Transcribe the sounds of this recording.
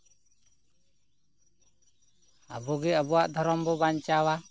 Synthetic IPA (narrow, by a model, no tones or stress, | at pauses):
abɔɡɛabɔaʔd̪ʱɔɾɔmbɔbaɲt͡ʃawa